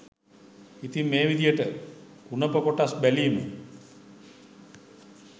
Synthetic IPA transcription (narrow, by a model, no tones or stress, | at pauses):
it̪imːeːʋid̪ijəʈə | unəpəkoʈasbælimə̰